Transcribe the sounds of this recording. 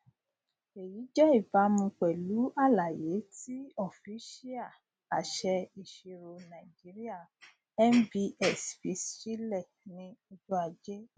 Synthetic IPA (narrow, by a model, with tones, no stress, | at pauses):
e˨ji˨˦d͡ʒɛ˦i˦˨ba˨˦mũ˧k͡pɛ˨lu˨˦a˦˨la˨je˨˦ti˦ɔ˦˨fi˨˦ʃi˦a˦˨ | a̰˨ʃɛ˧i˨ʃe˧ɾo˧nã˨i˨d͡ʒi˨˦ɾi˦a˦˨ | ɛ˦n˦bi˧ɛ˦˨sfi˧˦sʃi˦lɛ˦˨ | nĩ˧o˧d͡ʒo˦a˨d͡ʒɛ˦